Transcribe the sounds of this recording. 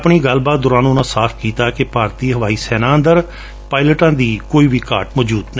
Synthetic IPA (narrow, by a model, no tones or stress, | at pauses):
pɳiːɡəlbaːt̪̚d̪ʊɾãːnũːnãːsaːpʰkiːt̪aːkepaːɾt̪iːɦəʋaːiːsɛːnaːənd̪əɾ | paːɪləʈãːd̪iːkoːiːʋiːkaːʈmɔːd͡ʒuːd̪ne